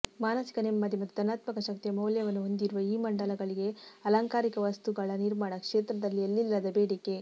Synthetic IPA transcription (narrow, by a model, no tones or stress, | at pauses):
maːnɐsi̥kɐnemːɐd̪ʱjimɐt̪ːud̪ʱɐnaːt̪mɐkɐʃɐkt̪ijɐmɐwljɐʋɐnːuɦond̪iɾuʋɐiːmɐɳɖɐlɐɡɐɭiɡe̞ɐlaːŋkaːɾikɐʋɐst̪uɡɐɭɐniɾmaːɳɐkʂeːt̪ɾɐd̪ɐlːielːilːɐd̪ɐbeːɽike̞